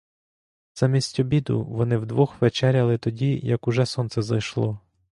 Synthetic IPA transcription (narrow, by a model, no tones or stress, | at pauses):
z̥amʲisʲtʲɔbʲid̪ʊ̰ʋɔnɪwd̪ʋɔxʋet͡ʃɛɾʲɐlˠɪt̪ɔdʲijɐkʊʒɛsɔnt̪sɛzɐjʃlˠɔ